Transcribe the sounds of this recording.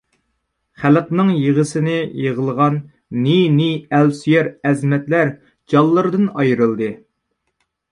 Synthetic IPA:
χæləqnɨŋjəʁəsɪnɪjəʁəlˠʁɑnː | iniælsyjɛɾɛzmɛt̪læɾ | d͡ʒɑlˠːəɾd̪ɨnɑjɾɨlˠd̪ɨ

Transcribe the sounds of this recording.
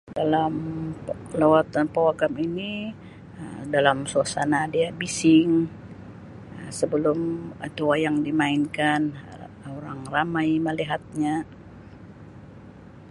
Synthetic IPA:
dalam | lawat̪anpawaɡamini | ədalamsuasanadiabisɪŋ | əsəbəlʊmət̪uwajaŋdimainkanoɾaŋramajməliɦat̪̚ɲa

